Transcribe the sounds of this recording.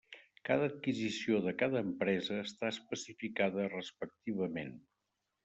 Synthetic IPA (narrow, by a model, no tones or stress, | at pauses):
kað̞əːt̪̚kizisioðəkaðəːmpɾɛzəːst̪aəspəsifikaðərəspək̚t̪iβəmen